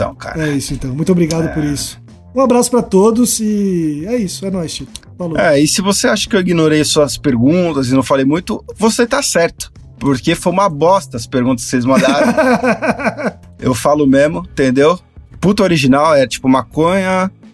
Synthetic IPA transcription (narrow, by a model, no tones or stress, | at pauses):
t̪ɐ̰̃w̃kʰa̰ɾɛisʊẽnt̪ɐ̃w̃mũj̃t̪obɾiɡad̪ʊpoɾisʊ̥ | ũabɾasʊ̥pɾɐt̪od̪ʊsɪɛisʊɛnɔjst͡ʃit̪ | valoɛɪsɪvoseaʃʊ̥kɪewiɡinoɾejɐsuɐspeɾɡũt̪ɐzɪnɐ̃w̃falejmũj̃t̪ʊvoset̪asɛɾt̪ʊ̥ | poɾkefojũmɐbɔst̪ɐɐspeɾɡũnt̪ɐskselɪzmɐ̃nd̪aɾ | ḛwfalʊmezmʊ̃t̪ẽnd̪ew | put̪ɐoɾiʒinawɛɾɐt͡ʃi̥pʊmakõɲɐ